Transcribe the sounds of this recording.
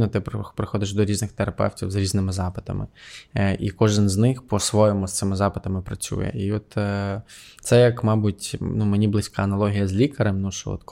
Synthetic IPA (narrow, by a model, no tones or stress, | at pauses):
nɔt̪ɪppɾɪxɔd̪ɪʃd̪ɔɾʲiznɪxt̪eɾɐpɛ̰wtʲiwzɾʲiznɪmɪzɑpɪ̥t̪ɐ̰mɪ̰ʔḭkɔʒɪnznɪxpɔsʋɔjɔmʊst̪sɪmɪzɑpɪt̪ɐmɪpɾɐt͡sʲṵjɛ̰ʔiɔt̪ː | t̪sɛjɐkmɑbʊtʲnumenʲiblˠɪsʲkɑɐnɐlˠɔɦʲijɐzʲlʲikɐɾemnuʃɔ̰ɔ̰t̪k